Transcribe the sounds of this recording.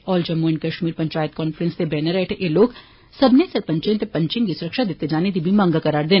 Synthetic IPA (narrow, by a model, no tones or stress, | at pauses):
ɔːld͡ʒɐmːuːnkɐʃmiːɾpɐ̃ɲt͡ʃaːjət̪̚kɔːnfɾə̃nst̪ebɛːnəɾɛːʈʰeʔeloːɡ | sɐbnesɐɾpə̃ɲt͡ʃẽt̪epɐ̃ɲt͡ʃɪ̃ŋkisʊɾəkʃad̪eːt̪ed͡ʒaːned̪ibʱimɐ̃ŋɡakɐɾaːɾd̪ẽː